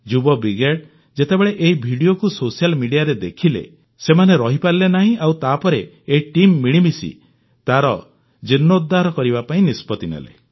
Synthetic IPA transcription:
d͡ʒubɔbiɡeʈ | d͡ʒet̪ebeɭeʔeɦibʱiɽiokusosialmiɽijaɾed̪ekʰilḛ | semaneɾɔɦipaɾilenaɦĩʔawt̪apɔɾeː | ʈimːiɭ̃imisḭ | t̪aɾɔ | d͡ʒinːod̪ʱːaɾɔkɔɾibapaĩnispɔt̪inḛlḛ

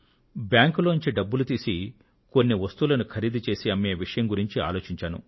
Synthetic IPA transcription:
bjaːŋkuloːnɲt͡ʃiɖɐbːulut̪iːsi | ko̞nːiʋɐst̪uːlɐnukʰɐɾiːd̪it͡ʃe̞ːsiɐmːeːʋiʂɐjɐmɡuɾiɲt͡ʃia̰ːlo̞ːt͡ʃiɲt͡ʃaːnṵ

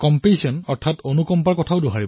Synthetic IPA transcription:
kɔmpesɔnɔɹtʰatonukɔmpaɹkɔtʰaʊduɦaɹibɔ

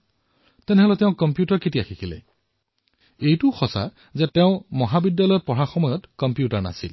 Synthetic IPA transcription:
t̪ɛnɛɦɔlɛteʊ̃kɔmpjutɔɹkit̬iaxʰikʰilḛ | ejtuxɔsa̰ | zeteʊ̃mɔɦabidjalɔjɔpɔɹaxɔmɔjɔtkɔmpjutɔɹna̰sḭl

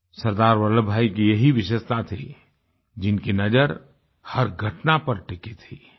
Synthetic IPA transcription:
səɾd̪aːɾʋələbʱaːikijəɦiʋɪʃest̪at̪ʰi | d͡ʒɪnkinəd͡ʒəɾ | həɾɡʱəʈnapəɾʈɪkit̪ʰi

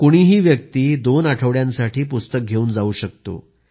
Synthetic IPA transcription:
koɽ̃iːɦiːʋjək̚t̪iːd̪onaʈʰəʋɭjãnsaʈʰiːpust̪ək̚ɡʱeuːnd͡zauːɕək̚t̪o̰

